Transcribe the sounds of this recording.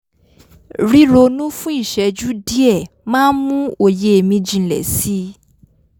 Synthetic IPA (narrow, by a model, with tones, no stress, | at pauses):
ɾi˦ɾo˧nũ˦fũ˦i˦˨ʃɛ˨˦d͡ʒu˦di˦ɛ˦˨ | mãː˦nmũ˦o˦˨je˨e˨mĩ˧d͡ʒĩ˧˨lɛ̰˨si˦